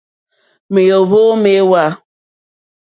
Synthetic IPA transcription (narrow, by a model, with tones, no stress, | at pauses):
me˨jo˨βo˦me˦wa˦